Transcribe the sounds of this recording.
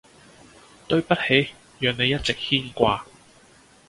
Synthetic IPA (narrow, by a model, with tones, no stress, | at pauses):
t̪ɵ˧ɥpɐ˥t̚he˨˥j | jœː˨ŋne˨˧jɐ˥t̚t͡sɪ˨k̚hiː˥nkʷaː˧